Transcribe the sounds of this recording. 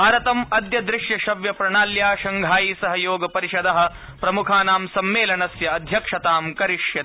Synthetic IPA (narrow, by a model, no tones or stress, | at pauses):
aːɾɐt̪ɐmɐd̪jɐd̪ɾɪʃjɐʃɐʋjɐpɾɐɳaːljaːʃɐŋɡʱaːjisɐɦɐjoːɡɐpɐɾiʃɐd̪ɐɦɐ̆ | pɾɐmukʰaːnaːmsɐmːeːlɐnɐsjɐːd̪ʱjɐkʂɐt̪aːmkɐɾiʂjɐ